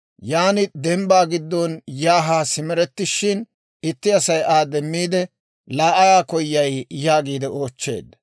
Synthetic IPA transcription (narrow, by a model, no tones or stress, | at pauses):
jaːnɪd̪ɛmbaːɡɪd̪ːɔnjaːɦaːsɪmɛɾɛt̪ːɪʃːɪn | ɪt̪ːɪɐsɐjʔaːd̪ɛmːiːd̪ɛ | laːʔɐjaːkɔjːɐjjaːɡiːd̪ɛʔo̞ːt͡ʃːe̞̰ːd̪ɐ